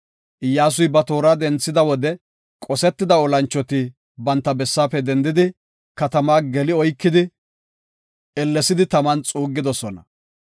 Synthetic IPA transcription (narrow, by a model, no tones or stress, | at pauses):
ʔɪjːaːs̬ʊjbɐt̪o̞ːɾaːd̪ɛnt͡sːɪd̪ɐwɔd̪ɛ | kʼɔsɛt̪ːɪd̪ɐɔlɐnt͡ʃːɔt̪ɪ | bɐnt̪ːɐbɛsːaːpːɛd̪ɛnd̪ɪd̪ɪ | kɐt̪ɐmaːɡɛlɪɔjkːɪd̪ɪ | ɛlːɛsɪd̪ɪt̪ɐmɐnt͡sʼuːɡːɪd̪ɔsɔnɐ̰